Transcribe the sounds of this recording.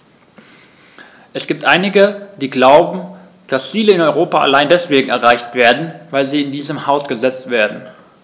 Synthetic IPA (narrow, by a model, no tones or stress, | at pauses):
ʔɛsɡ̥iːp̚tʔaɪnɪɡəd̥iːɡlaʊbm̩ | d̥ast͡siːləɪnɔʏʁoːpaʔa̰laɪndɛsv̥eːɡŋ̩ɛɐʁaɪçtv̥eːɐdn̩vaɪlziːɪndiːzəmhaʊsɡ̥əzɛt͡stv̥eːɐdn̩